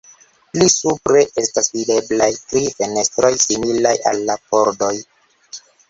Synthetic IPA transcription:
lisupɾe̞ʔe̞stasvide̞blajtɾife̞ne̞stɾo̞jsimilaja̰lːapo̞ɾdo̞j

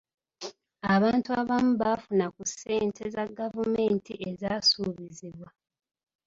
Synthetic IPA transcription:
aβaːntuaβamuβafunakusːe̞ːntʰe̞zaɡavume̞ːntʰiʔe̞zasuːβiziβwa

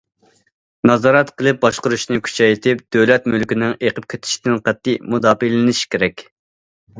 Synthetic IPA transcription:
nɑzɑɾɛt̪qəlˠɨp̚bɑʃqʊɾuʃnɨkʲʰy̥t͡ʃʰɛjt̪ʰɪp̚d̪̥øwlɛt̪mylkʲinɪŋeqəp̚kʲʰet̪ʰɪ̥ʃi̥d̪ɪnqæt̪ːimud̪ɑːbilɪnɪʃi̥kʲʰeɾɛkʲ

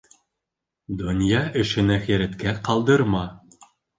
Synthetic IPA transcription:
d̪ŏnʲjɑɘ̆ʃɘ̆næxæɾæt̪kæqɑlˠd̪ɤ̆ɾmɑ

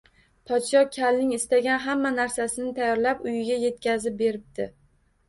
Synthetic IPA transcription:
pʰɒt̪ʃɒkʲʰalnɪŋɪst̪aɡʲanɦamːanaɾsasɪnɪt̪ʰajːɒɾlapʊjɪɡʲaje̞t̪̚kʲʰazɪp̚be̞ɾɪp̚d̪̥ɪ

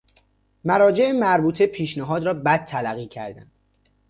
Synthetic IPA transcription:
mæɾɒːd͡ʒe̞emæɾbuːt̪ʰepʰiːʃnæɦɒːd̪ɾɒːbæd̪̚t̪ʰːælæɣːiːcʰæ̰ɾd̪æ̰nd̪̥

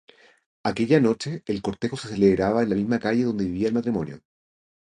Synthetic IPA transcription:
ake̞ʎano̞t͡ʃeːlko̞ɾt̪e̞xoseseleβɾaβaenlamizmakaʝeðo̞nd̪e̞βiβiaelmat̪ɾimo̞njo̰

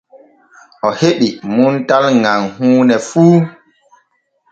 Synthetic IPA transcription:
ʔɔheɓimuntalŋaŋhuːnɛfuː

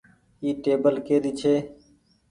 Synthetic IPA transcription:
iːʈeːbəlkeːd̪iːt͡ʃʰeː

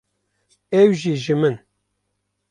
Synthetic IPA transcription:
ɛwʒiʒɨmɨn

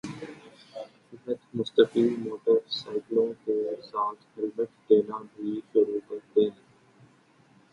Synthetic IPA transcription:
ɪɦət̪mʊst̪əqiːlmoːʈəɾsaːɪklõkeɾsaːt̪ʰhɪlbəʈd̪eːnabʱiːʃʊɾuːkəɾt̪eːɦɛ̃ː

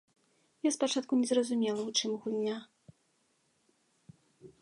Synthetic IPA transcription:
jaspat͡ʂat̪̚kunʲɛzrɐzumʲɛlˠɐwt͡ʂɨmɣulʲnʲa

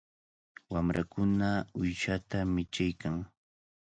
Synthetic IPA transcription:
wamɾʔa̰kʊnaʊjʃat̪amɪt͡ʃajkaŋ

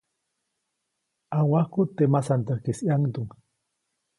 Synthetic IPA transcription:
awahkut̪emasant̪akesiaŋt̪uŋ

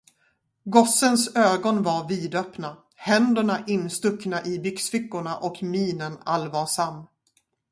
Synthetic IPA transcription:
ɡɔsːənsøːɡɔnvaɾviːd̪œpna | hɛnd̪əɳaʔɪnːst̪ɵknaʔɪbʏksfɪkːʊɳaʔɔkmiːnənalvɑːʂamː

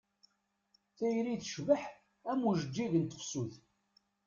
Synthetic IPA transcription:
θæjɾiθəʃvəħ | æmuʒəd͡ʒːiʝənt̪ə̥qsuð

